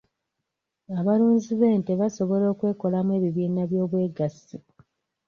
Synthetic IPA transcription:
aβaluːɲziβe̞ːnteβaso̞βo̞lo̞ːkwe̞ːko̞lamwe̞ːβiβiːnaβjo̞ːβwe̞ːɡasi

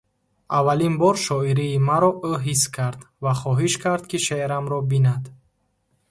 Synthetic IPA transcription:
avalinbɔɾʃɔiɾiːmaɾɔʔuɦiskʰaɾd̪ | vaχɔɦiʃkʰaɾd̪kʰiʃeeɾamɾɔbinad̪

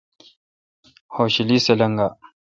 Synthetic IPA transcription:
hoɕiliselɐŋɡa

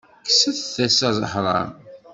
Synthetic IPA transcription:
ksæθθæsæzˤəħɾˤɑ̰ɾ

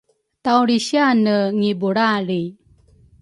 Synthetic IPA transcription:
t̪awɽiɕjanəŋibuɽaɾi

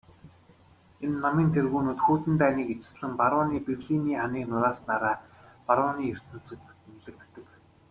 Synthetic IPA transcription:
enːamiːnt̪ʰerɣuːnuːt̪xuːt̪ɘ̆nt̪æːniːket͡sɘ̥̆sɮɘ̆mpaɾʊːniːperɮiniːχaniːknʊɾaːsnaɾaː | paɾaniːɵr̥t̪nŭt͡sɘ̆t̪nɮɘ̆k̚t̪ːɘ̆k

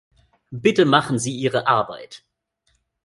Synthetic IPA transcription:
b̥ɪtəmaχn̩ziːʔiːʁəʔaɐba̰ɪt

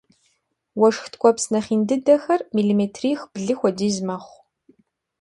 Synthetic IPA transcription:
wɐʂxtʰkʷʼɔpsnɐχiːndɨdɐxɐrmiliːmeːtʰriːxb̥ɮɨxʷɔdiːzmɐχʷ

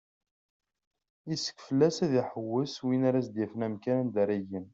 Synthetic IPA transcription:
isə̥kfəlːæsæðiħəwːəswinaɾæsd̪jæfnæmkænænd̪æɾijən

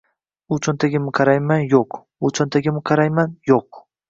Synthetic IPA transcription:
ʊt͡ʃʰɒnt̪ʰaɡʲɪmɪqʰɑɾajmanjoq | ʊt͡ʃʰɒnt̪ʰaɡʲɪmɪqʰɑɾajmanjoq̚

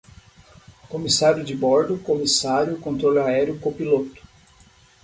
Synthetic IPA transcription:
komisaɾjʊd͡ʒɪbɔɾd̪ʊkomisaɾjʊkõnt̪ɾolaɛɾjʊkopilot̪ʊ̥

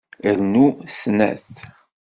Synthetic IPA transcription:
əɾnusnæ̰θ

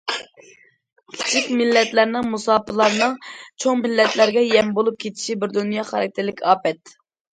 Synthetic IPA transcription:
kʲʰi̥t͡ʃʰikʲmɪlːɛt̪læɾnɪŋmusɑːpʰɨlˠɑɾnɨŋt͡ʃʰoŋmɪlːɛt̪læɾɡʲɛjɛmbolˠup̚kʲʰet͡ʃ̪ʰi̥ʃibɪɾd̪unjɑχɑɾɑ̰k̚ʲt̪ʰɪɾlɪkʲʰɑːpɛt̪

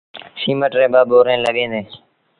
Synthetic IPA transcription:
siːməʈɾẽːbaːɓoːɾẽːləɠẽːd̪eː

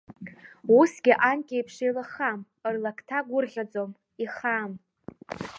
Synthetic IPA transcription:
usɡʲɪʔankʲʼejpʰʂejlaχam | ɨrlakʰtʰaɡʷʊrʁʲad͡zʼom | iχam

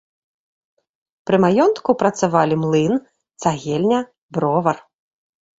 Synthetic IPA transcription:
pɾɨmajɔnt̪kupɾɐt̪savalʲimlˠɨn | t̪saɣʲɛlʲnʲɐ | bɾɔvɐr

